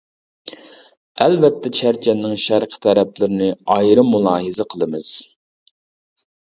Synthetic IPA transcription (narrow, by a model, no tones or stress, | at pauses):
ɛlvɛt̪ʰːɛt͡ʃʰæɾt͡ʃʰɛnːɪŋʃæɾqʰə̥t̪ʰɛɾɛplɪɾɪnɪɑjɾɨmːulˠɑːɦɨzɨqʰəlˠɨmɨz̥